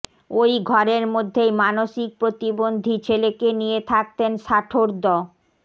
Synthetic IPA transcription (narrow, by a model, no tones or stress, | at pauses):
ojɡʱɔɾeɾmod̪ʱːejmanoʃik̚pɾot̪ibond̪ʱit͡ɕʰelekenijet̪ʰak̚t̪enʃaʈʰoɾd̪ɔ